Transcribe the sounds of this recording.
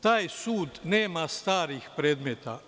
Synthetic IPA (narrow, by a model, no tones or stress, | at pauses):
t̪aːjsuːd̪neːmast̪aːɾixpɾeːd̪met̪a̰